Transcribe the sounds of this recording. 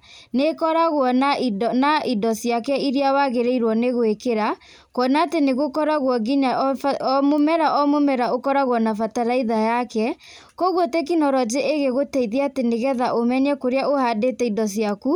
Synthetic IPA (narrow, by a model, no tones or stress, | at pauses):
nekɔɾaɣwɔnaidɔnaidɔsijakɛiɾiawaɣeɾeiɾwɔneɣoekeɾa | kwɔnaːteneɣokɔɾaɣwɔɡiɲa | momɛɾaʔɔmomɛɾaokɔɾaɣwɔnafataɾaiðajakɛ | kɔɣwotek̬inɔɾɔd͡ʒeʔeɣeɣotɛiðeateneɣɛðaʔomɛɲɛkoɾeaohadetɛidɔsjaku